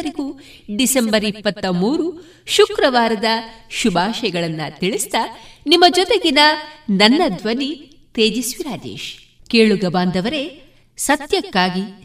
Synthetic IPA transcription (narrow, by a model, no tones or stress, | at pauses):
ɐɾiɡuː | ɖisembɐɾipːɐt̪ːɐmuːɾu | ʃukɾɐʋaːɾɐd̪ɐʃubʱaːʃɐjɐɡɐɭɐnːɐt̪iɭist̪ɐnimːɐd͡ʒɔt̪ɛɡinɐnɐnːɐd̪ʋɐni | t̪eːd͡ʒisʋiɾaːd͡ʒḛːʃ | keːɭuɡɐbaːnd̪ɐʋɐɾe̞ | sɐt̪jɐkːaːɡi